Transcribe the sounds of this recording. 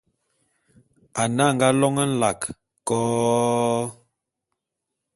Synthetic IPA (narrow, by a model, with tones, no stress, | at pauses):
a˨na˦˨ŋ˨ɡa˦lɔ˦ŋə˦n̩˦la˨k | kɔː˦